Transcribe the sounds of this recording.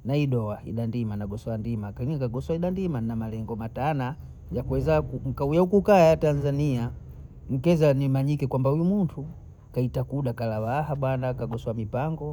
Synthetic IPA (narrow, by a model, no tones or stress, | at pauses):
naiɗɔaḭɗandimanaɡɔsɔandimakaiŋkaɡɔswaiɗandimanamalɛŋɡɔmatana | jakuwɛzakuŋ̩kaujaukukaːjatanzania | m̩kɛzanimaɲikɛkwambaujumuntʰu | kaitakuɗakalawaɦaɓwanakaɡɔswamipaŋɡɔ